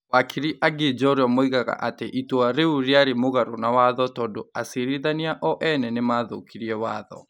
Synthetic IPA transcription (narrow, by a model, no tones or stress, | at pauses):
wakʰiɾiʔaɡed͡ʒɔɾeɔmoiɣaɣa̰ʔateʔitwaɾeuɾeaɾemoɣaɾonawaðɔtɔːndoaseɾiðaniaʔɔʔɛnɛnemaːðo̰kiɾiɛwaːðɔ̰